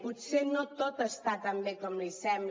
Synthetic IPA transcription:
put̪senot̪ot̪əst̪at̪ambekɔmlisɛmb

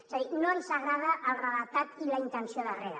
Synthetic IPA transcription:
zəðinoənsaɣɾaðəʔːlˠrəlat̪at̪ilaint̪ənsioðəreɾə

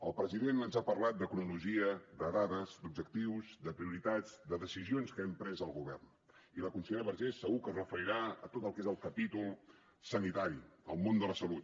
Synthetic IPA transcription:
əlˠpɾəziðenənzapərlat̪̚d̪əkunuluʒiəd̪əðaðəzd̪ub̚d͡ʒək̚t̪iwzd̪əpɾiuɾit̪ad͡zd̪əðəsizionskəɛmpɾɛzəlˠɣuβɛrn | iləkunsəʎeɾəβəɾʒesːəɣukəzrəfəɾiɾaə̰t̪ot̪əlˠkezəlˠkəpit̪ulˠ | sənit̪aɾiə̰lˠmond̪ələsəlut̪̚

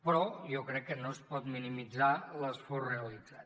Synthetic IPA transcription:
pɾɔjɔkɾɛkːənospɔt̪minimid͡zaləsfɔrreəlidd͡zat̪

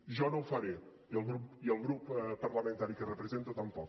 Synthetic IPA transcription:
ʒɔnɐ̃w̃fɐɾe | ɛlˠɣɾupiɛlˠɣɾupɛpɐɾlˠɐmẽnt̪aɾikɨrəpɾəzẽnt̪ɐt̪ɐ̃mpɔk

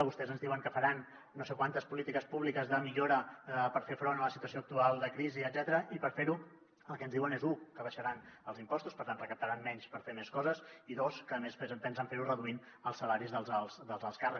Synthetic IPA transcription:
βust̪ɛzənzðiwəŋkəfəɾanː | osekwant̪əspulit̪ikəspuβlikəzðəmiʎoɾəpəɾfefɾonələsit̪uəsioək̚t̪ualˠd̪əkɾiziəd̪zɛt̪əɾəʔipəɾfeɾu | əlˠkɛənzðiwənezukəβəʃəɾanəlˠzimpɔst̪uspəɾt̪anrəkəp̚t̪əɾanːɛɲspəɾfemeskɔzəziðoskəmespɛzəmpɛnsəɱfeɾurəðuin | əlˠsəlaɾizðəlˠzəlˠsd̪əlˠzəlˠskarə

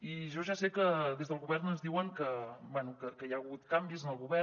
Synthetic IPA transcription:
iʒɔʒasekəðezðəlˠɣuβɛɾnənzðiwəŋkəbwɛnukəkəjaɣut̪kambizənəlˠɣuβɛ

